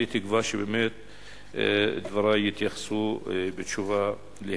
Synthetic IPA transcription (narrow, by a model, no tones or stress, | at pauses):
ɪt̪ɪɡvaːʃibɪmeːt̪̚ | d̪vɑɾˤɑːjɪt̪jaxsubɪt̪ʃuva | lɪ